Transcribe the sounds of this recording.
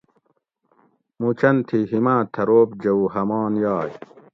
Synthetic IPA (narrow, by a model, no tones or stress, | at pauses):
mut͡ɕɐnt̪ʰiɦimaːt̪ʰɐɾoːpd͡ʑɐwɦɐmaːnjaːj